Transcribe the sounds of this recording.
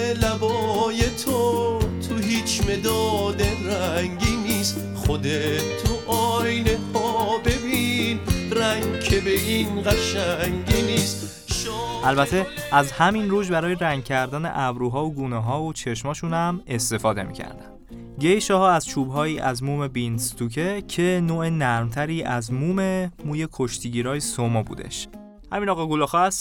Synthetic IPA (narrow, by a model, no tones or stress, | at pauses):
læbɔːjet̪ʰot̪ʰuɦiːt͡ʃʰme̞d̪ɒːd̪eɾæŋɡiːnist̪ | χod̪et̪ʰoʔɔːjnehʰɔːbe̞biːnɾæŋɡkʰebeʔinɢæʃæŋɡiniːst̪ | ʃɔʔælbæt̪ʰe̞ʔæzhæminruːʒbæɾɒːjeɾæŋɡ̚cʰæɾd̪æːnḛʔævɾuːɦɒːvoɡuːnɛɦɒːot͡ʃʰe̞ʃmɒːʃuːnæme̞st̪e̞fɒːd̪e̞̰mḭːcʰæ̰ɾd̪æ̰nnd̪̥ | ɟe̞jʃɒːɦɒːæzt͡ʃʰuːbɦɒːiːʔæ̰zmuːme̞binst̪ucʰecʰe̞noːenæɾmt̪ʰæɾiːʔæzmuːme̞muːje̞kʰo̞ʃt̪ʰiːɟiːɾɒːjesomobṵːd̪ḛʃ | hæ̰miːnɒːɣɑːɡulɒːxɒæs